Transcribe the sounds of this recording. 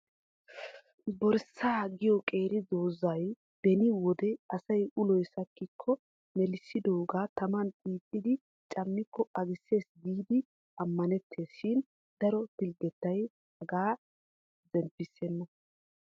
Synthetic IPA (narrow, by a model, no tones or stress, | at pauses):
bɔɾsːaːɡɪjɔkʼe̞ːɾɪd̪oːzɐj | b̥ɛnɪwɔd̪ɛɐsɐjʊlɔjsɐkːɪkʰːɔ | mɛlɪsːɪd̪oːɡaːt̪ɐmɐnbʼiːt̪ʼːɪd̪ɪ | t͡ʃʼɐmːɪkːɔɐɡɪsːe̞ːsɡiːd̪ɪ | ɐmːɐnɛt̪ʰːe̞ːsʃɪn | d̪̥ɐɾɔbɪlɡɛt̪ːɐj | hɐɡaː | zɛmpːɪsːɛnːɔ